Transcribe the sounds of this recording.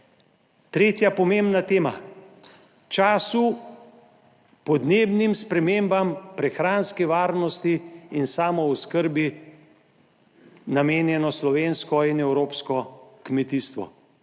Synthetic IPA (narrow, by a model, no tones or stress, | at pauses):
t̪ɾeːt̪japɔmembnat̪eːma | t͡ʃaːsu | pɔd̪neːbnimspɾɛmeːmbampɾɛxɾaːnskɛʋaːɾnɔst̪iːnsaːmɔwskəɾbi | nameːnjɛnɔslɔʋenskɔinɛwɾoːpskɔkmɛt̪iːst̪ʋɔ̰